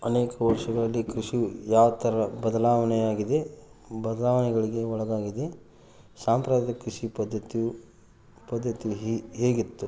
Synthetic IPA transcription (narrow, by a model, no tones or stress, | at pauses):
ɐneːkɐʋɐɾʂɐɡɐɭɐlːikɾiʂijaːʋɐt̪ɐɾɐbɐd̪ɐlaːʋɐnɛjaːɡid̪e̞bɐd̪ɐlaːʋɐnɛɡɐɭiɡe̞ɔɭɐɡaːɡid̪e | saːmpɾaːd̪ɐkɾiʂipɐd̪ːɐt̪i | pɐd̪ʱːɐt̪ijuɦeːɡit̪ːu